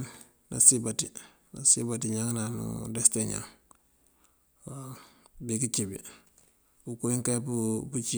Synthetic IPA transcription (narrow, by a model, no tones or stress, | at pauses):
na̰sibati | na̰sibatiɲaŋnanṵdɛsteɲa̰ŋ | abikit͡ʃibḭ | bukuiŋkapuput͡ʃi